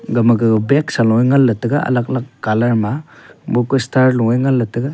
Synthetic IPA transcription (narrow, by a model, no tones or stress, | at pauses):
ɡamaɡɯbeksalɔŋajŋalːɐtɯɡaa̰lak̚lakːalaɾmabukustʰaɾlɔŋajŋalːɐtɯɡa